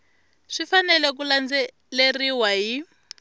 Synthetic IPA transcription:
ʂifanɛlɛk̬uland͡zɛ | leriwaɦi

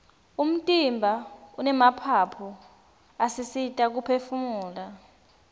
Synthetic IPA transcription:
um̩tʼimbʱaunɛmapʰapʰɔ | asisitʼak̬upʰefumuːla

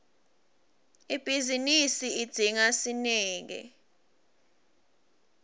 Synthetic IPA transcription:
ib̥ʱizinisiid̥d̥ʱiŋasinɛːŋɛ̰

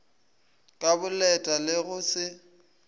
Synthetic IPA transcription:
kʼabʊlɛtʼalɪɣʊsɪ

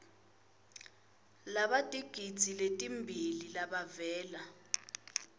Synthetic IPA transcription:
laɓad̥ʱiɡ̥ʱid̥z̥ʱiletʼimbʱililaɓavɛːla

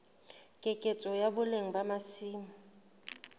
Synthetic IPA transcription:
kʼekʼet͡sʼɔjabʊleŋ̩bamasiːm̩

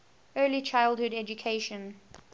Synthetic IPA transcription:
ɜːlit͡ʃʰaɪlˠd̚hʊdɛd͡ʒukʰeʃə̃n

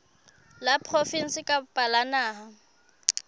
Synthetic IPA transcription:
lapʼʰrofin̩sɪkʼapʼalanaːɦa

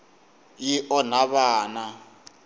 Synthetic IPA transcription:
jiʔɔnaβaːna

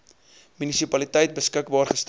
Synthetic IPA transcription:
mynisipɐlitəjt̚bəskəkbɑːrχəst

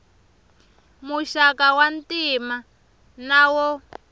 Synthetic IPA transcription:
muʃakawantima | nawɔ

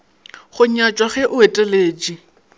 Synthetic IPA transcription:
χʊɲat͡ʃʼwaχɛʔʊetʼɛleːd͡ʒi

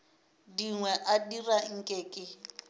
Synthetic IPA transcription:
diŋwɛʔadiraŋ̩kʼeːkʼɪ

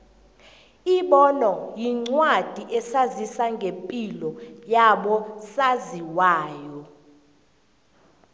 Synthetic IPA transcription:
iɓɔnɔjiŋ͡ǀwad̥ʱiʔɛsazisaŋɡʱempʼilɔjaɓɔsaziwaːjɔ

